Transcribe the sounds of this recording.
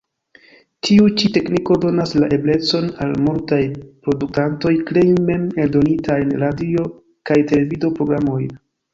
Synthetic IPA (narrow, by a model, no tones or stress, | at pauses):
tʰiut͡ʃite̞kniko̞do̞naslaʔe̞ble̞t͡so̞nalmultajpɾo̞duk̚tanto̞jklejme̞meldo̞nitajenɾadio̞ | kajte̞le̞vido̞pɾo̞ɡɾamo̞j